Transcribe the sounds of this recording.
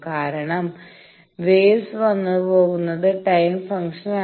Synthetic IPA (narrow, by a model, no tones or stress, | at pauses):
kaːɾɐɳɐm | ʋeːsʋɐnːupo̞ːɣunːɐðɨʈɐjmfɐŋʂɐna